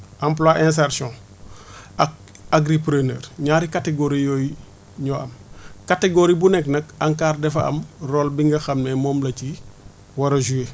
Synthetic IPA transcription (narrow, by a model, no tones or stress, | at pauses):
ʔamp̬lwaʔɛ̃ns̬aɾsɔ̃ | ɐk̚ | aɡɾipɾenḛːɾɲaːɾikateɡoɾijoːj | ɲɔɐmkateɡoɾibunɛknɐk̚aŋkaːrdɛfɐɐ̰mroːlbiŋɡɐxɐmnɛmɔːmlɐci | wɐɾɐʒue